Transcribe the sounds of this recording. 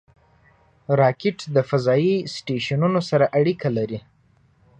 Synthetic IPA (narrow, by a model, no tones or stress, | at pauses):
ɾɑkɪʈd̪əfazɑjisʈeʃanunosaɾaʔaɽikalaɾi